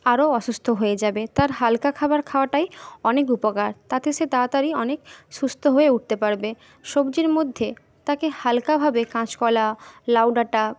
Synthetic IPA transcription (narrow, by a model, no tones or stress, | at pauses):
aɾoɔʃust̪ʰoɦoed͡ʑabet̪aɾɦalkakʰabaɾkʰaoaʈajɔnekupokaɾt̪at̪eʃed̪at̪aɾiɔnekʃust̪ʰoɦoeuʈ̚t̪epaɾbe | ʃobd͡ʑiɾmod̪ʱːe | t̪akehalkabʱabekãt͡ɕkɔlalawɖaʈa